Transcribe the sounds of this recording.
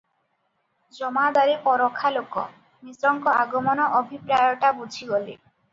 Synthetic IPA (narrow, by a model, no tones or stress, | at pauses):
d͡ʒɔmad̪aɾipɔɾɔkʰːalokɔ | misɾɔŋkɔaɡɔmɔnɔʔɔbʱipɾajɔʈabud͡ʒʱʰiɡɔlḛ